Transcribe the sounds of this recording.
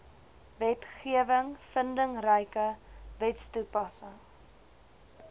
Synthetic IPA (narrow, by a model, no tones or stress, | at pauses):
vɛtχiəvəŋfəndəŋrəjkəvɛtstupɐsəŋ